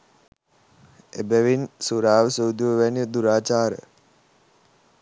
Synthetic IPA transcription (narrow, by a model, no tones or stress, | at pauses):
ḛbæʋinsuɾaːʋəsowd̪joʋʋænjəd̪uɾaːt͡ʃaːɾə̰